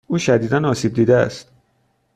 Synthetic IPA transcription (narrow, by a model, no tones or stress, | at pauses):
uːʃæd̪iːd̪ænɒːsiːb̚d̪iːd̪eæ̰st̪